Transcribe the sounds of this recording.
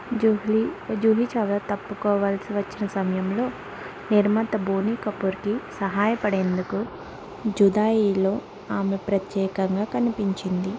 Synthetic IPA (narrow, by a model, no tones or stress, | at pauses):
d͡ʒuɦid͡ʒuːɦit͡ʃɐʋlaːt̪ɐpːukɔːʋaːlsiʋɐt͡ʃːinɐsɐmɐjɐmlo̞ː | niɾmɐt̪ɐboːniːkɐpːuɾkisɐɦaːjɐpɐɽeːnd̪uku | d͡ʒud̪aːjiːlo̞ː | aːmepɾɐt̪jɛːkɐŋɡaːkɐnipiɲt͡ʃind̪i